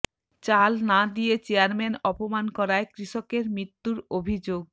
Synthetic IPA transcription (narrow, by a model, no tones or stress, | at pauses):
t͡ɕalnad̪ijet͡ɕeaɾmenɔpomankɔɾaekɾiʃokeɾmɾit̪ːuɾobʱid͡ʑoɡ̚